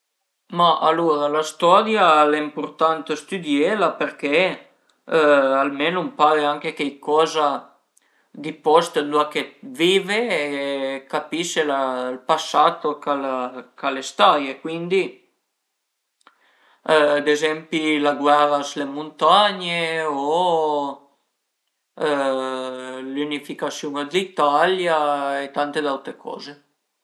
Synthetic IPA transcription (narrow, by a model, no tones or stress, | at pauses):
maʔa̰luɾalast̪ɔɾjalaimpoɾt̪ant̪əst̪yd̪jelapeɾke | almenompaɾeaŋkek̟ejkɔːza | d̪ipɔst̪d̪uakeviːveːkapiʃelalpasːat̪okalakalest̪ajekwind̪i | d̪ezɛmpilaɡwɛɾaslemunt̪aɲeo | lunifikasjuŋad̪it̪aljaet̪ant̪ed̪awt̪ɾekʰɔ̰ːze